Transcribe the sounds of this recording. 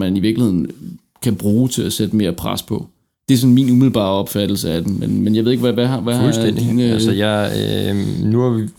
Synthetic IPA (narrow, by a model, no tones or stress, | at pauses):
mæniʋiɐɡ̥lihe̝ð̰ˠn̩ | kʰæb̥ʁuːt͡sʰe̝læsed̥əme̝ːɐpʰʁa̰spʰɒ̽ | d̥e̝æɐsɔ̽nminumiðlˠb̥ɑ̰̈ːɒ̽b̥fæd̥l̩səæd̥emmenmenjɑɪʋeðˠeɡʋæʋæʋæulsdendḭːnəsəjɑ̈ɪ | nuhɑʋi